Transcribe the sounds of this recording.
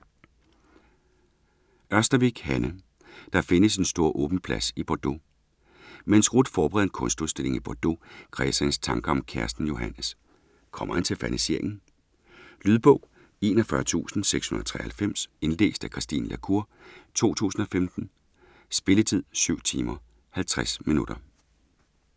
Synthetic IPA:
ʔɶɐsd̥ɐʋiɡ̥hænə | d̥ɑ̈fe̝nəse̝nsd̥o̝ɐ̰ʔɔ̽ːb̥n̩pʰlæsib̥ɒd̥o̝ | mensɡ̥ʁud̥fɒːb̥eʁɛ̰ð̩ˠnkʰɔ̽nsd̥uðˠsd̥e̝le̝ŋib̥ɒd̥o̝kʰʁɛ̰ːsɛnst͡sʰɑ̈ŋɡ̥əɒ̽mkʰæɐsd̥n̩jo̝ɦænəs | kʰɒ̽mʔɐhænt͡sʰe̝lfæniseɐ̰eŋn̩ | lyːðˠb̥ɔ̽ʊ̰ | e̝ːnɒfɶɐt͡sʰṵːsn̩seɡ̥shunɐð̥ˠt͡sʰʁɛ̰ɐhælfem̰se̝nle̝̰ːsd̥ækʰʁisd̥ḭːnlʔækʰuɐ̰t͡sʰo̝̰ːt͡sʰṵːsn̩ɒ̽femd̥n̩ | sb̥e̝lət͡sʰið̰ˠsyʊ̰t͡sʰiːmɐ | hælt͡sʰʁasminud̥ɐ

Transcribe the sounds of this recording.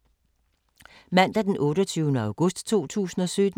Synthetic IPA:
mæn̰d̥æd̥enʔɔ̽ːɾɒt͡sʰyːʊnəɑ̈ʊɡ̥ɔ̽sd̥t͡sʰo̝̰ːt͡sʰṵːsn̩ɒ̽sød̥

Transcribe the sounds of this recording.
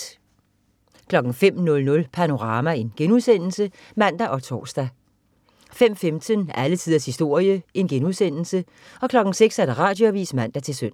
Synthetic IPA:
kʰlɒ̽ɡ̥ŋ̩fem̰nɔ̽lnɔ̽lpʰæno̝ʁɑ̈ːmæe̝nɡ̥enuðˠsen̰l̩sə | mæn̰d̥æʔɒ̽t͡sʰɒ̰ːsd̥æ | fem̰femt͡sʰənælət͡sʰiðˠɐshisd̥o̝ɐ̰jəe̝nɡ̥enuðˠsen̰l̩sə | ɒ̽kʰlɒ̽ɡ̥n̩seɡ̥sæɐd̥æʁɑ̈ːd̥jo̝æʋḭːsmæn̰d̥æt͡sʰe̝lsøn̰

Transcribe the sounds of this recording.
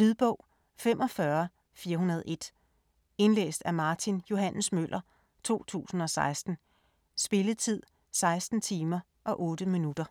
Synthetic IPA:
liðˠb̥ɔ̽ʊ̰ | femʔɒ̽fɶɐ | fiːɐɦunɐð̞ˠe̝d̥ | e̝nlḛːsd̥æmɑ̈t͡sʰinjo̝hæn̰smøl̰ʔɐ | t͡sʰo̝̰ːt͡sʰṵːsn̩ɒ̽sɑ̈ɪsd̥n̩ | sb̥e̝lət͡sʰið̞̰ˠ | sɑ̈ɪsd̥n̩t͡sʰiːmɐ | ʔɒ̽ʔɔ̽ːd̥əminud̥ɐ

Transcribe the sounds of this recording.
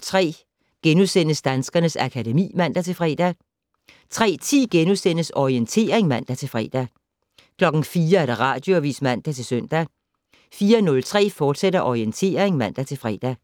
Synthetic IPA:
t͡sʰʁɛ̰ː | ɡ̥enusen̰əsd̥ænsɡ̥ɐnəsækʰædemḭːmæn̰d̥æt͡sʰe̝lfʁɛ̰ːd̥æ | t͡sʰʁɛ̰ːt͡sʰḭːɡ̥enusen̰əsɒient͡sʰe̝̰ːɐeŋmæn̰d̥æt͡sʰe̝lfʁɛ̰ːd̥æ | kʰlɒ̽ɡ̥n̩fiːɐæɐ̥ɑ̈ʁɑ̰̈ːd̥jo̝æʋḭːsmæn̰d̥æt͡sʰe̝lsœn̰d̥æ | fiːɐnɔ̽lt͡sʰʁɛ̰ːfɒːd̥seɾ̥ɐʔɒient͡sʰe̝̰ːɐeŋmæn̰d̥æt͡sʰe̝lfʁɛ̰ːd̥æ

